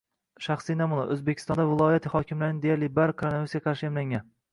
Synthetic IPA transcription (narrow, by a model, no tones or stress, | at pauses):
ʃaχsinamʊlˠa̰ʔɵzbekʲʰɪ̥st̪ɒnd̪avɪlˠɒjat̪ʰɪhɒkʲʰɪmlaɾɪnɪd̪ejaɾlɪbaɾkʰaɾnaɪsʲɡʲaqʰɑɾʃɪamlaŋʲan